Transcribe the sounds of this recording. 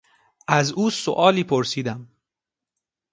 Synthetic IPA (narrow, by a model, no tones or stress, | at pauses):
ʔæzuːso̰ʔɒːliːpʰoɾsiːd̪æm